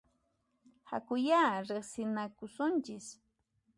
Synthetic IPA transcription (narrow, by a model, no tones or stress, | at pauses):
ha̰kʊjaːɾeχsɪnakʊsʊnt͡ʃɪs